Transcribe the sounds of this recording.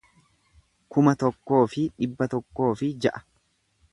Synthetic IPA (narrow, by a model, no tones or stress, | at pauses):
kʊmɐt̪ɔkːo̞ːfɪᶑɪbːɐt̪ɔkːo̞ːfɪd͡ʒɐʔɐ̥